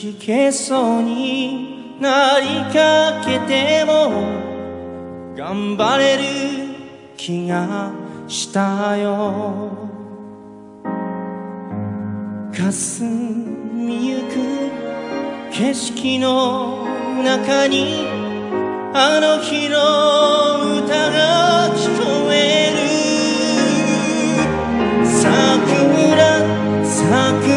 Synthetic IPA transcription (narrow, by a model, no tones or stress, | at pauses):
kikʰe̞soɲ̟i | naɾʲikake̞t̪e̞mo | ɡ̥ãmbaɾe̞ɾɯ | kʲʰiɡaɕi̥t̪ajo | kasɨ | mʲijɯkɯ | kʰe̞ɕi̥kʲino | nakaɲi | anoçiɾo | ɯt̪aɡakʲi̥k̪omeɾɯ | sakɯɾa | sa | kɯ